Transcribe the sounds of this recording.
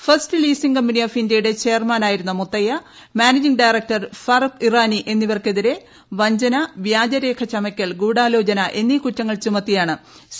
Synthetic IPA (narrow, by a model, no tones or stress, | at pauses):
fɐrstɨliːsiŋkɐmːunijoːfindjɐjuɽe̞t͡ɕe̞jɐrmaːnaːjiɾunːɐmut̪ːɐjɐ | maːned͡ʑiŋɖajrek̚ʈɐrfɐrukiraːniʔe̞nːiʋɐrke̞ðiɾe̞ | ʋɐɲd͡ʑɐnɐʋjaːd͡ʑɐɾe̞ːkʰɐt͡ɕɐmɐkʲːɐɭɡuːɽaːlo̞ːd͡ʑɐnɐʔe̞nːikutːɐŋːɐɭt͡ɕumɐt̪ːijaːɳɨ